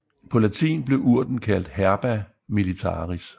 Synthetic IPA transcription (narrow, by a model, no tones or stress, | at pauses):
pʰɒ̽læt͡sʰḭːnb̥le̝ʔuɐ̰d̥n̩kʰæl̰d̥hæɐb̥æ | milit͡sʰɑ̰̈ːʁis